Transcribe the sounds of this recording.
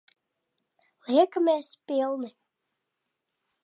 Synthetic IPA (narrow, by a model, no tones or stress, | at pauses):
liɛkameːspʲilˠnɨ